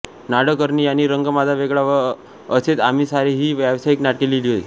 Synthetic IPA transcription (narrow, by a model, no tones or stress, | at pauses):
naɽəkəɾnijaniːɾəŋɡəmad͡zʱaʋeɡɭaʋəɾ | əset̪am̤isaɾeɦiːʋaʋsaiknaʈkeliliɦoj